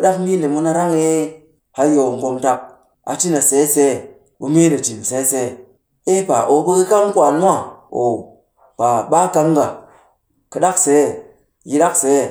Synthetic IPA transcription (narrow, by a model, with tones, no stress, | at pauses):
ɨ˨ɗa˦kmi˦ne˨mu˦na˧ɾa˦ŋe˦ | ha˦jo˨ŋ˨ɡo˧mta˦k̚ | a̰˨ti˦na˨se˨˦se˦ | bu˨mi˦ne˨d͡ʒi˨n˨se˨˦se˨ | e˦pa˨ʔo˨bu˦ki˦ka˦mkʷa˨n˦mʷ˦a˦˨o̰˨ | pa˨ɓa˦ka˧mɡa˨ | kɨ˨ɗa˦kse˨˦˨ | ji˦ɗa˦kse˨˦˨